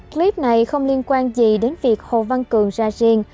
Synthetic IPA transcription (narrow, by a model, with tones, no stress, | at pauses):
kli˦˥p̚na˨˩jxə˧wŋ͡mli˧ənkwaː˧nzi˨˩ɗe˨˦nvi˨˩ək̚ho̰˧˨˩va˧nkɨ˨˩əŋzaː˧zi˧əŋ